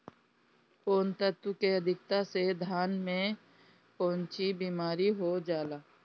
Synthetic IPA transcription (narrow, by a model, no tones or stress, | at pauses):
koːnt̪ət̪wkeəd̪ʱɪk̚t̪ased̪ʱaːnmẽ | poɦʊ̃nt͡ʃibiːmaːɾiɦod͡ʒaːlaː